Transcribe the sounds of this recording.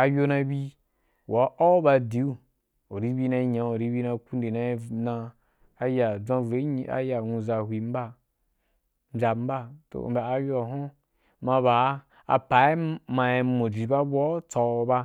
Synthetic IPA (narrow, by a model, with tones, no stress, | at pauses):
a˧jo˧na˧bi˦ | wa˨˦ʔo˦ba˧di˨˦u˦ | o˨ɾi˦bi˦na˧˦ɲa˨˦o˨ɾi˦bi˧˦na˧ku˦nde˨na˧˦na˧ | a˦ja˨d͡zã˧vɾe˦ɲi˦a̰˦ja˨nũ˧za˧hʷi˨m̩˦ba˦˨˦ | d͡ʒʲa˧m̩˦ba˦to̰˨ba˨a˧jo˦a˨ɦo˦ | mã˧ba˨˦ | a̰˨pa˨e˦ma˧e˧mo˨d͡ʒi˨ba˦bʷo˦t͡sa˧ba˧